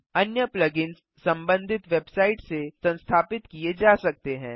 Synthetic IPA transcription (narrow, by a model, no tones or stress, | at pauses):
ɐnjəplɐɡɪnsːɐ̃mbə̃nd̪ʱɪt̪ʋeːbsaːɪʈsesɐ̃nst̪ʰaːpɪt̪kied͡ʒaːsɐk̚t̪eɦɛ̰̃ː